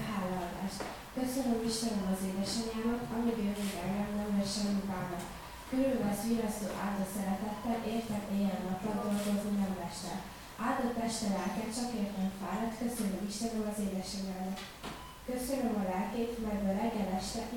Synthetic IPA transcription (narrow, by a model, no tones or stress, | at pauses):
ɦaːlːɒːd̪a̰ːʃt̪ | kø̞sø̞nømiʃt̪ɛnømɒzeːd̪ɛʃɛɲaːmɒt̪ɒmiɡjøvøɡɛɡɛlnɛmlɛʃɛmːikaːmɒt̪ | kyɾylbɛsʋiɾɒst̪o̰ːʔaːld̪ɒsɛɾɛt̪ɛt̪ːɛʔeːrt̪ɛnʔɛjɛnːɒt̪ːɒnd̪o̞lɡo̞zomnɛmlɛʃt̪ɛ̰l | aːd̪ɒt̪ːɛʃt̪ɛlɛlkɛt̪t͡ʃɒkeːrt̪ɛɱfaːɾɒt̪kø̞sønømiʃt̪ɛnømɒzeːd̪ɛʃɛɲaːmɒt̪ | kø̞sø̞nømɒlɛlkeːt̪mɛɡbɛɾɛɡːɛlɛʃt̪ɛ